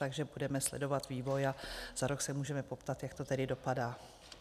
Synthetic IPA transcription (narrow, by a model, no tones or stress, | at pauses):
t̪aɡʒɛbudɛmɛslɛ̰do̞vat̪viːvo̞jaz̥aɾo̞ksɛmuːʒɛmɛpo̞pt̪at̪jakt̪o̞t̪ɛdɪdo̞padaː